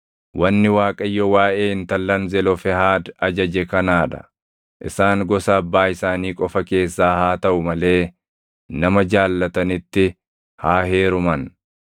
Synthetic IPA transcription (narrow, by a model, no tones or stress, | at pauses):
wʔɐnːɪwaːkʼɐjːɔwaːʔe̞ːɪnt̪ɐlːɐnzɛlɔfɛhaːd̪ɐd͡ʒɐd͡ʒɛkɐnaːᶑɐ̥̰ | ʔɪ̰saːŋɡɔsɐːbːaːɪsaːniːkʼɔfɐke̞ːsːaːhaːt̪ɐʔʊmɐle̞ː | nɐmɐd͡ʒaːlːɐt̪ɐnɪt̪ːɪ | haːɦe̞ːɾʊmɐn